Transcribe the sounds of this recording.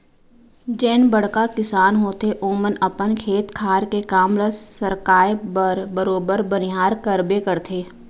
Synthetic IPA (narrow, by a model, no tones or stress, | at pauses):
d͡ʒɛːnbəɽ̤kakɪsaːnɦoːt̪eʔoːmənɐpənkʰeːt̪kʰaːɾkekaːmɾəssəɾkaːjbəɾbəɾoːbəɾbənɪɦaːɾkəɾbekəɾt̪ʰeː